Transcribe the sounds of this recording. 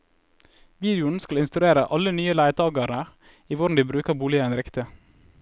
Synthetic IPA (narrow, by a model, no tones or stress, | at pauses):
ʋiːd̪ɪʊn̩skɑlɪnst̪ʉɾeːɾəʔɑlənyːəlæɪt̪ɑːɡɑɾnə | iːʋʊɖn̩d̪iːbɾʉːkəbuːlɪəɛnɾɪkt̪ə